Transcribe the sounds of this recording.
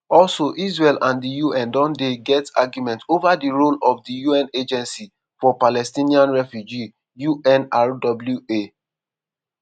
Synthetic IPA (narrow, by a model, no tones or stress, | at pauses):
ɔlsoʔisɹelʔãndijuɛ̃ndɔ̃ndeɡɛtsa̰ɡjumɛ̃ntovadiɹolɔfdijuɛ̃ned͡ʒɛ̃nsi | fɔpalɛstĩniãnɹɛfjud͡ʒi | juʔɛ̃naɹdɔbljue